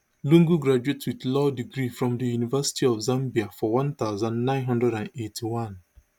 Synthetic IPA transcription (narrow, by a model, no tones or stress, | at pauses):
lũŋɡuɡɾad͡ʒuetwiðlɔdiɡɾifɾɔ̃mdəjunivɛsi̥tʰiɔfzãmbiafɔwãnt̪aʊzãnnãɪ̃nɦʌ̃ndɹɛdãnetʰiwãn